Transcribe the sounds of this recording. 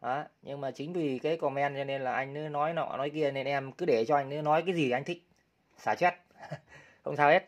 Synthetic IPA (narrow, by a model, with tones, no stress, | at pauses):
ʔaː˨˦ | ɲɨ˧ŋmaː˨˩t͡ɕï˨˦ŋ̟vi˨˩kaː˨˦jkɔ˧˩mɛ˧nt͡ɕɔ˧ne˧nlaː˨˩ʔa˧jŋ̟nɨ˨˦nɔ˨˦jnɔ̰˧˩˧nɔ˨˦jki˧əne˧˩nʔɛ˧mkɨ˨˦ɗe˧˩t͡ɕɔ˧ʔa˧jŋ̟nɨ˨˦nɔ˨˦jk̬aː˨˦jzi˨˩˨ʔjŋ̟t̪ʰï˨˩k̟̚ | saː˧˩t͡ɕwɛ˦˥t̚ | xə˧wŋ͡msaː˧wʔe˦˥t̚